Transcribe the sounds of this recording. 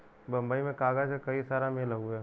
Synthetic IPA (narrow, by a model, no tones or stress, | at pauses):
bɐ̃mbəimẽkaːɡad͡ʒekɐisaːɾameləuɛ